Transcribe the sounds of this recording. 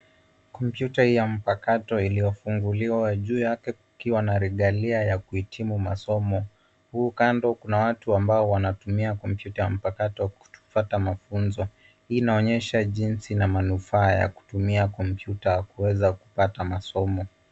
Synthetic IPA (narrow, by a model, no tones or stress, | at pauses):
kɔmpjutahijam̩pakatɔilijɔfuŋɡuliwaʄuːjakɛkukiwanaɾiɠaliajakuhitʰimuma̰sɔmɔ | huːkandɔkunawatuambaɔwanatumiakɔmpjutajam̩pakatɔku̥tu̥fatamafunzɔ | inaɔɲɛʃaʄinsinamanufaːja̰ku̥tumiakɔmpjutaakuwɛzaku̥patamasɔmɔ